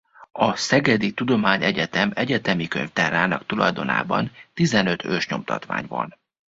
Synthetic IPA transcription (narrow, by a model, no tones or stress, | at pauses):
ɒsɛɡɛd̪it̪ud̪o̞maːɲɛɟɛt̪ɛmɛɟɛt̪ɛmikø̰ɲft̪ɛɾaːnɒkt̪ulɒjd̪o̞na̰ːbɒ̰nt̪izɛnø̞t̪ʰøːʃɲo̞mt̪ɒ̰t̪ʋa̰ːɲvɒ̰n